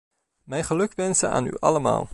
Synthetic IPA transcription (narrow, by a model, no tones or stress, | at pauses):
mɛjχəlɵkʋɛnsəna̰ːny̰ʔɑ̰ləma̰ːlˠ